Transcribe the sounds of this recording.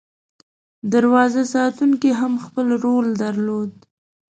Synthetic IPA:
d̪aɾwɑzasɑt̪uŋkiɦamxpəlɾold̪aɾlod̪̚

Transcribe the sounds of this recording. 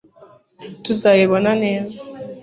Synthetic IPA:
tuzajeβonaneːza

